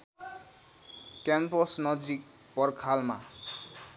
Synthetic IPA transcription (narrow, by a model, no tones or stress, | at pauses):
kɛmpɔsnɔd͡ʒɾik̚ | pɔrkʰalma